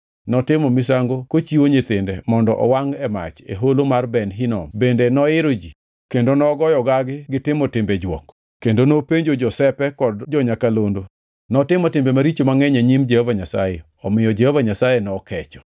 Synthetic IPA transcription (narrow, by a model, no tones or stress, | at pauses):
nɔtɪmɔmɪs̬aŋɡokot͡ʃiwoɲet̪ɪndɛmɔndɔʔɔwaŋɛma̰t͡ʃḛɦolomarbɛnɦɪnɔ̰mbendenɔɪɾod͡ʒi | kendonɔɡɔjɔɡaɡɪɡɪtɪmɔtɪmbed͡ʒwɔ̰k | kːendonopeɲd͡ʒod͡ʒɔsɛpɛkɔdd͡ʒɔɲakalondo | nɔtɪmɔtɪmbemaɾit͡ʃomaŋɛɲaɲimd͡ʒɛhovaɲasaje | ɔmɪjɔd͡ʒehovaɲasajenɔkʰɛt͡ʃɔ̥